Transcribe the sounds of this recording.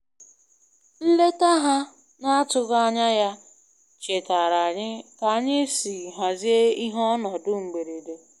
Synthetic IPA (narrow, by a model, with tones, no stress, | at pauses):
n̩˦le˦ta˦ɦa˦ | na˦a˦tʊ˦ɣa˦a˦ɲa˦ja˦ | t͡ʃe˨ta˨ɾa˨ɲɪ˦ka˨˦ɲe˦si˨ɦa˨zi˦e˦i˦ɦɔ˦nɔ˨dʊ˦ŋ͡m̩˨ɡ͡be˨ɾe˨de˨